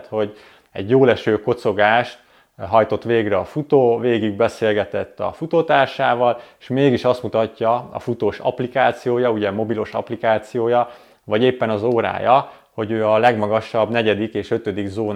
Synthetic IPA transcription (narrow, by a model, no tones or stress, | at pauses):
t̪ho̞ɟ | ɛ̰ɟjoːlɛʃøːkot̪so̞ɡaːʃt̪ | ɦɒjt̪o̞t̪ʋeːɡrɛɒfut̪oːveːɡiɡ̚bɛseːlɡɛt̪ɛt̪ːɒ̰fut̪ot̪aːrʃaːvɒleʃmeːɡiʃɒst̪mut̪ɒcːɒɒ̰fut̪oːʃɒ̰plikaːt̪sijoːjɒuɟɛmo̞bilo̞ʃɒ̰plikaːt̪sijoːjɒ | vɒɟeːpːɛnɒzoːɾa̰ːjɒ | ho̞ɟøːɒlɛɡmɒɡɒʃɒbnɛɟɛd̪ikeːʃø̞t̪ød̪iɡzoːn